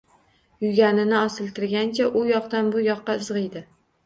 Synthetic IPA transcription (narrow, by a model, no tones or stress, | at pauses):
jʊɡʲanɪnɪɒsɪlt̪ʰɪɾɡʲant͡ʃʰaʔʊjɒqt̪anbʊjɒqːɑɪzʁɨjd̪ɪ